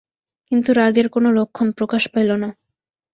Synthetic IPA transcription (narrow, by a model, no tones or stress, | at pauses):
kint̪uɾaɡeɾkonolokʰːonpɾokaʃpelona